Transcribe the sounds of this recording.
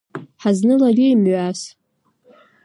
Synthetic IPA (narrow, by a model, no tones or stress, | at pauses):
ħaznɨlalʲijmɥas